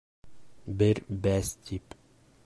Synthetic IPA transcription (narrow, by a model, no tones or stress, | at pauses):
bɪɾbæst̪ʲʰip